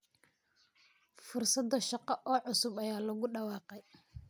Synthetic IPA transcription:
fʊrsɐd̪ɔʃɑqɑʔɔːʕʊsʊbɐjaːlɐɣʊɖɑwɑːqɛj

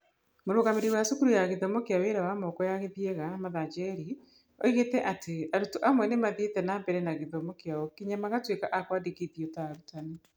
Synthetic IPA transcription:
moɾoɣameɾiwasukuɾujaɣeðɔmɔkeaweɾawamɔkɔjaɣeðjeɣamaðad͡ʒɛɾi | o̰iɣetɛʔateaɾutoʔamwɛnemaðetɛnambɛɾɛnaɣeðɔmɔkeaɔkiɲamaɣatwekaʔakwadiɣeðjotaɾutane

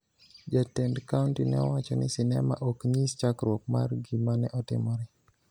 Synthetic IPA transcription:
d͡ʒatɛndkauntinɛ̰wat͡ʃɔnɪsɪnɛma̰ʔokɲist͡ʃakɾok̚ma̰rɡimanɛʔɔtɪ̰mɔɾɛ

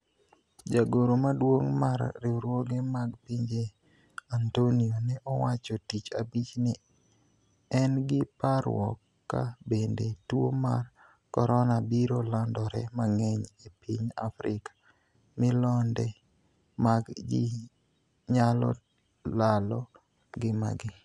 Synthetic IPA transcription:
d͡ʒaɡoɾomadwoŋmaɾːɪɾwoɡemaɡpiɲd͡ʒe | antonionɛʔɔwat͡ʃɔtit͡ʃabit͡ʃnɪ | ɛnɡɪpaɾwɔ̰kːa̰bendetwo̰ma̰r | kɔɾɔnabiɾolandɔɾɛ̰maŋɛɲepiɲa̰fɾɪkḁ | mɪlɔndɛ | maɡd͡ʒɪ | ɲalɔ̰ | lalɔ | ɡɪma̰ɡɪ

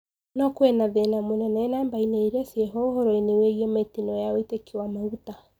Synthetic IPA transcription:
nɔkwɛnaðɛnamonɛnaɛnambaineiɾɛsiɛɦɔohoɾɔineweɣiɛmetinɔjaoitekewamauta

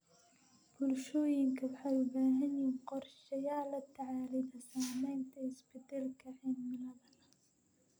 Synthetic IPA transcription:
b̥ʊlʃɔːjɪŋkʰɐwɑħajʊbaːɦɐnjiːnqɔrʃɐjaːlɐt̪ʰːaʕaːlɪd̪ɐsaːmɛjnt̪ʰɐɪsbɪd̪ɛlkʰɐʕɛnmɪlɐðɐlɐ

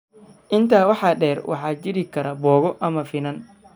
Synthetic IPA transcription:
ʔɪnt̪ʰaːwɑħɑːɗɛːrwʔɑ̰ħɑːd͡ʒɪɾɪkʰɐɾɐbɔːɣɔʔɐmɐfɪnɐn

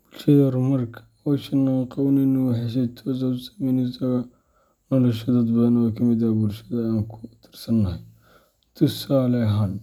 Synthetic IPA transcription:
b̥ʊlʃɐðɐrʊmɐrkʰɐ̥ | wɔʃɐnːaŋqɑwnɛnuwħɛʃ̬ɛjt̪ʰɔːs̬ɐsɐ̥mɛnɪsɐɣɐ | nɔːlɔʃɔd̪ɐd̪̚bɐðɐnwɑkʰɐmɪd̪ɐbʊlʃɐðɐaːŋkʰʊ̥t̪ʰɪ̥rsɐnːɐhɐj | t̪ʰʊsaːlɛɦɐn

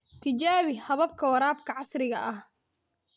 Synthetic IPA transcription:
t̪ʰɪt͡ʃaːβɪhɐβɐb̚kʰɐwɐɾaːbkʰɐʕɑsɾɪɣɐ̰ʔɐh

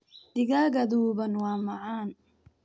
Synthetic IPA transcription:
d̪̥ɪɣaɣɐðuːβɐnwɑːmɑʕaːn

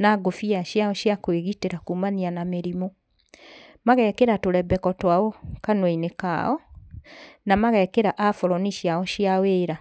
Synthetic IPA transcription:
naɡofiaɕjaɔɕjakweɣiteɾakumanianameɾimo | maɣɛkeɾatoɾɛbɛkɔtwaɔkanwaineka̰ɔ | namaɣɛkeɾaʔafɔɾɔniɕjaɔʃiaweːɾa

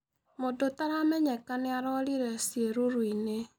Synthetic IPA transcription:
modotaɾamɛɲɛkaneaɾɔliɾɛsieɾoɾwine

